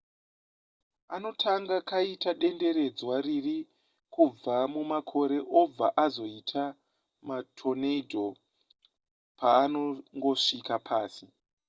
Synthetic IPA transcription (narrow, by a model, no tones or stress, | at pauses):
ano̞tʰaŋɡakaitaɗe̞nde̞ɾe̞d͡zwariri | kub͡vamumakʰo̞ɾe̞ʔo̞b͡vaʔazo̞itʰa | matʰo̞nedʱo̞ | paːnoŋɡo̞ʂikapʰaːsi